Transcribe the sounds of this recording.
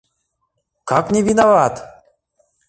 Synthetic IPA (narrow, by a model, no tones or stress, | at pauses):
kʰaknʲivinavaːt̪